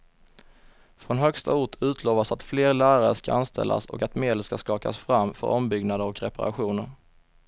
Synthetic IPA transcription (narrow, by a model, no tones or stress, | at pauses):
fɾɔnɦœkst̪ʰa̰ʊʈʰʉ̟ːt̪ʰloːvasat̪fleːɾlæːɾaɾəʂkaanst̪ʰɛ̰lːa̰sɔ̰kat̪meːd̪əlskaskɑːka̰sfɾamːfœ̰ɾɔmbʏɡnad̪əɾɔkɾɛ̰paɾa̰ɧuːnəɾ